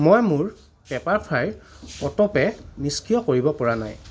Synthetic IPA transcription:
mojmʊɹ | pɛpaɹpʰɹaj | ɔtɔpɛniskijɔkoɹibɔpɔɹana̰j

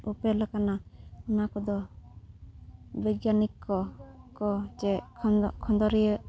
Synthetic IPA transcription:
upɛlakanaunakɔd̪ɔ | biɡjanikːɔkɔd͡ʒɛkʰɔnd̪ɔɾijə

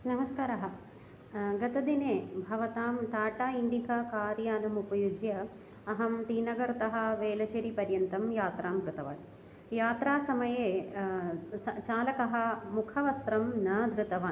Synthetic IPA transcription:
nɐmɐskaːɾaɦɐ | ɡɐt̪ɐd̪ineːbʱɐʋɐt̪aːmʈaːʈaːiɳɖikɐkaːɾjaːnɐmupɐjud͡ʒjɐ | ɐɦɐmt̪iːnɐɡɐɾt̪ɐɦɐ̆ʋeːlɐt͡ʃeːɾipɐɾjɐnt̪ɐmjaːt̪ɾaːmkɾut̪ɐʋa̰ːn | jaːt̪ɾaːsɐmɐjeː | sɐt͡ʃaːlɐkɐɦɐ̆mukʰɐʋɐst̪ɾɐmnaːd̪ɾɨt̪ɐʋaː

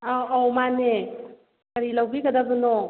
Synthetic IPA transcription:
aawmane | kəɾilawɡikad̪abɯnɔ

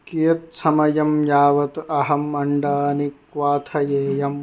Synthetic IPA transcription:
kijɐt̪sɐmɐjɐmjaːʋɐt̪ɐɦɐmɐɳɖaːnikʋaːt̪ʰɐjeːjɐm

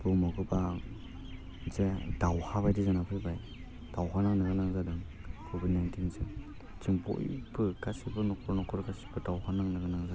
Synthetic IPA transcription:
bɯmɔɡɯba | zed̥awhaβajdizanapʰɯjbaj | d̥awɦanaŋnɯɡɯnaŋzadɯŋ | kʰobidnajntʰinzɯ | t͡ʃʰiŋpʰo̰jbɯɡasibɯnɔkʰɔɾnɔkʰɔɾɡasi̥bɯdawhanaŋnɯɡɯnaŋza

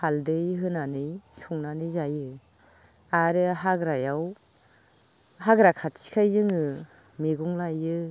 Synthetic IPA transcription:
haldɯjɦɯnanɯjsɔŋnanɯjzajɯ | aɾɯɦaɡɾajaw | haɡɾakʰatsi̥kʰajzɯŋɯ | meɡuŋlajɯ

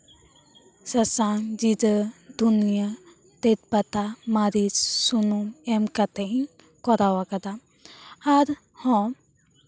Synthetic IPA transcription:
səsaŋd͡ʒid̪əd̪unija | t̪et̪̚pat̪amaɾissunumɛmkat̪ʰen | kɔɾawakad̪aː | ɾ | hɔ̃

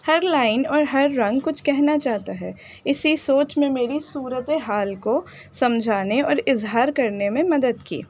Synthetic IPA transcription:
hɐɾlaːɪnɔːɾɦɐɾːɐ̃ŋɡkʊt͡ʃʰkɛɦnat͡ʃaːɦt̪aɦɛː | ɪsisoːt͡ʃmẽmeːɾisuːɾət̪eɦaːlko | sɐmd͡ʒʱaːneɔːɾɪzɦaːɾkɐɾnemẽmɐd̪əd̪kḭː

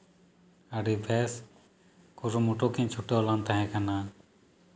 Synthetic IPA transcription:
aɽibʱɛs | kuɾumuʈokiɲt͡ʃʰuʈeɔlant̪aɦɛ̃kana

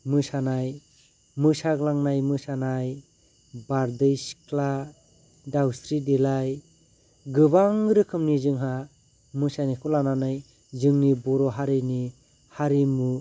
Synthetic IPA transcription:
mɯsanaj | mɯsaɡlaŋnajmɯsanaj | baɾdɯjskʰla | dawstɾidelaj | ɡɯβaŋɾɯkʰɯmnizɯŋɦa | mɯsanikʰulananɯj | zɯŋnibɔɾɔɦaɾini | haɾimu

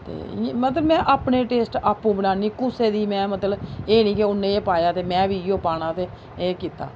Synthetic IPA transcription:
t̪ḛːmət̪ləbmɛ̃ːʔaːpneːʈeːsʈaːpːũːbənaːniːkʊseːd̪iːmɛ̃ːmət̪ləbeːnĩːkɪʊnːẽːeːpaːjaːt̪eːmɛ̃ːʋiːɪjoːpaːɽ̃ãːt̪eː | eːkiːt̪a̰ː

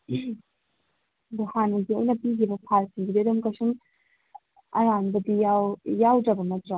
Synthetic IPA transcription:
duhanɐɡiojnɐpiɡibɐpʰalsiŋbidiɐdumkasuŋ | ɐɾanbɐdijawjawdɾɐbɐmɐtɾa

